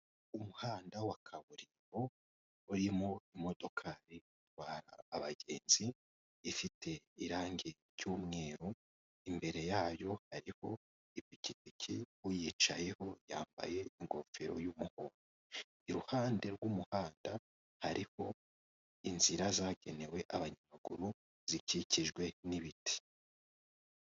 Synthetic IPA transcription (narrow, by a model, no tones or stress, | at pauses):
umuhaːndawakʰaβuɾi | o | uɾimo̞imo̞do̞kʰaɾiutwaːɾa̰ːβaɡe̞̰ːnz̥iː | fitʰe̞iɾaːŋɡeɾjuːmŋe̞ːɾo | imbe̞ɾe̞jaːjo̞haɾiho̞ | ipikipikʰiwujit͡ʃaje̞ho̞jaːmba̰je̞iŋɡo̞feɾo̞̰juːmuho̞ɾo | iɾuhaːnde̞ɾɡwumuhaːnda | haɾʔiho̞ | inz̥iɾazaɡe̞ne̞we̞ʔaβaɲamaɡuɾu | z̥iciciʒɡwe̞niβiti̥